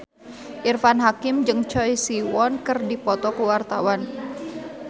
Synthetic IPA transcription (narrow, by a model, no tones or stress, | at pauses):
ʔirfanɦakɪmd͡ʒɨŋt͡ʃɔjsiwɔnkɨrdipɔt̪ɔkəwart̪awan